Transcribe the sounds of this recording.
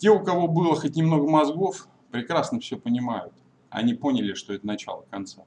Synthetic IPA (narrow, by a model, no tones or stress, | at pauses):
tʲeʊkɐvo̞bɨlˠəxət̚ʲnʲɪmno̞ɡəmɐzɡo̞f | pɾʲɪkɾasnəfsʲɵpənʲɪmajʊt̪ | ɐ̰nʲipo̞nʲɪlʲɪʂt̪o̞ɛt̪ənɐt͡ɕa̰lˠəkant̪sa